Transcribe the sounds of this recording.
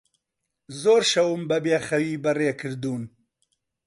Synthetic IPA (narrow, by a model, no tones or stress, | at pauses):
zoːɾʃɐwumbɐbeːxɐwiːbɐreːkʰɨɾd̪uːn